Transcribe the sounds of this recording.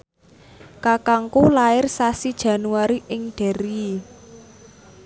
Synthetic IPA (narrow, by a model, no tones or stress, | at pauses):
kakaŋkulaɪrsasid̥ʒ̥a̤nuwaɾiʔɪŋɖ̥ɛ̤ɾi